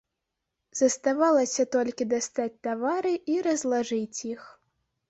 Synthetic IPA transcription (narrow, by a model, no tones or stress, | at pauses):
z̥ɐst̪avalˠɐsʲɐt̪ɔlʲkʲid̪ast̪at͡sʲt̪avaɾɨiɾɐzlˠaʐɨt͡sʲjix